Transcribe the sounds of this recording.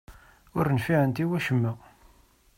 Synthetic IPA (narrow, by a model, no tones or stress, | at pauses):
ʊɾnfiʕənt̪iwæʃəmːə